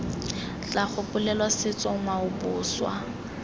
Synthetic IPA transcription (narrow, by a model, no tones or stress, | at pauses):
t͡ɬʼaχʊpʼʊlɛlwasɪt͡sʼɔŋwaʊbʊːswa̰